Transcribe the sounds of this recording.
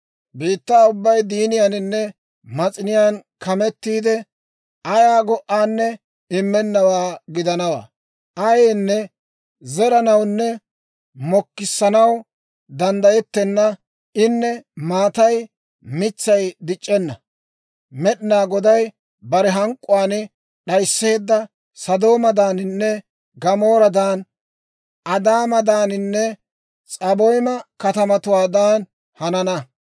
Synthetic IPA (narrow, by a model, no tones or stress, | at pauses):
biːt̪ːaːʊbːɐjd̪iːnɪjanɪnːɛ | mɐt͡sʼɪnɪjaːnkɐmɛt̪ːiːd̪ɛ | ɐjaːɡɔʔːaːnːɛ | ɪmːɛnːɐwaːɡɪd̪ɐnɐwa̰ː | ʔɐjeːnːɛ | zɛɾɐnɐwnːɛ | mɔkːɪsːɐnɐw | d̪ɐnd̪ɐjɛt̪ːɛnːɐ | ɪnːɛmaːt̪ɐj | mɪt͡sːɐjd̪ɪt͡ʃʼːɛnːɐ̰ | mɛɗɪnaːɡɔd̪ɐj | bɐɾɛɦɐŋkʼːʊwaːn | ɗɐjsːeːd̪ːɐ | sɐd̪o̞ːmɐd̪aːnɪnːɛ | ɡɐmo̞ːɾɐd̪aːn | ʔɐd̪aːmɐd̪aːnɪnːɛ | t͡sʼɐbɔjmɐkɐt̪ɐmɐt̪ʊwaːd̪aːn | hɐnɐnɐ